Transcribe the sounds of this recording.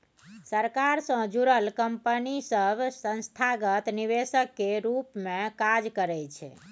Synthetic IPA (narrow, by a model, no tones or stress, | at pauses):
səɾkaɾsə̃d͡ʒuɾəlkəmpənisəbʱsə̃nst̪ʰaɡət̪niβesəkːeɾupmẽkad͡ʒkəɾɛt͡ʃʰɛ̰